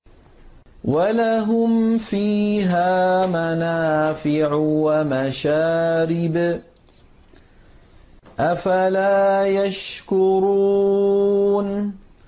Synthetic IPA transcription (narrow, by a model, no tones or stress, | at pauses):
walaɦʊmfiːɦaːmanaːfɪʕwamaʃaːɾɪb | ʔafalaːjaʃkʊɾu | n